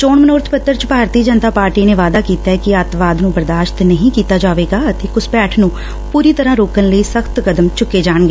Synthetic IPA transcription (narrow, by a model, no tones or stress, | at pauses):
t͡ʃoːɳmənoːɾt̪ʰpət̪ːəɾt͡ʃbʱaːɾt̪iːd͡ʒənt̪aːpaːɾʈiːneːʋaːd̪aːkiːt̪aːɛkɪat̪ʋaːd̪nũːbəɾd̪aːʃt̪nəɦĩːkiːt̪aːd͡ʒaːʋeːɡaːət̪eːkʊspɛːʈʰnũː | puːɾiːt̪əɾãːɾoːkənləiːsəkʰt̪kəd̪əmt͡ʃʊkːeːd͡ʒaːɳɡeː